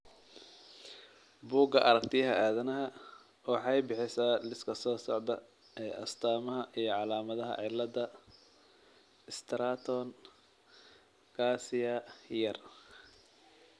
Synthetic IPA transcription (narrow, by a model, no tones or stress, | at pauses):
buːɡɐʔɐɾɐk̚t̪ʰɪjɦɐʔaːðɐnɐɦɐ | wɑħɑjbɪħɪsaːlɪskʰɐsɔːsɔ̰ʕd̪ɐ | ɛːʔɐ̰st̪ʰaːmɐɦɐʔijɞʕɑlaːmɐðɐɦɐ̰ʕɪlːɐdɐ | ɪst̪ʰɾaːt̪ʰɔn | ɡaːsɪjɐjɐr